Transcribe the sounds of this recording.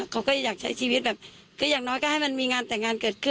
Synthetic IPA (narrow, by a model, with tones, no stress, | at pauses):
kʰa˧˩wkɔː˥˩a˧˩jaː˨˩k̚t͡ɕʰa˦˥jsʰiː˧wi˦˥t̪̚bɛː˨˩p̚ | kʰɯː˧˩jaː˨˩ŋnɔː˧˦˥jkaː˧˩ha˥˩jma˧nmiː˧ŋaː˧nt̪ɛː˨˩ŋːaː˧nkɤː˨˩t̪̚kʰɯ˧˩